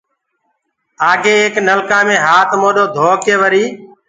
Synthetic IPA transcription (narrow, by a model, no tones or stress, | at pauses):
aːɡeːeːknəlkãːmẽːɦaːt̪moːɗoːd̪ʱoːkeːʋəɾiː